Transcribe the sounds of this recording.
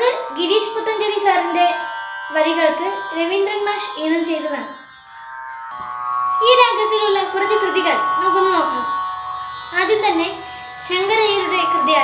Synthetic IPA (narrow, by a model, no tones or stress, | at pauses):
ðɐɾɡiɾiːʂput̪ːɐnd̪eɾisaːɾinde̞ʋɐɾiɣɐɭkɨɾeʋind̪ɾɐnmaːʂeːɳɐmt͡ɕe̞jt̪ːɐɣaɳ | iːɾaːɡjɐt̪ːiluɭːɐkurɐt͡ɕːɨkrɨðiɣɐɭno̞ːk̬ːunːɨno̞ːkːuː | ɐðint̪ɐnːe̞ | ɕeŋɡɐɳɐjiːɾuɽe̞krɨðijaː